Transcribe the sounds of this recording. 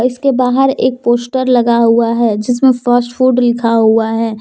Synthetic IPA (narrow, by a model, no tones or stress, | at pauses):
ɪskebaːɦəɾeːk̚poːsʈəɾlɐɡaɦuaɦɛːd͡ʒɪsmẽfəɾsʈfuːɖlɪkʰaɦuaɦɛː